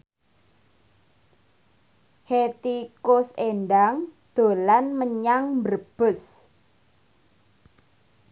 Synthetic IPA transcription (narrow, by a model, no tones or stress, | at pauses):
het̪ikʊsenɖaŋd̪̥o̤lanməɲaŋmbərb̥ʊ̤s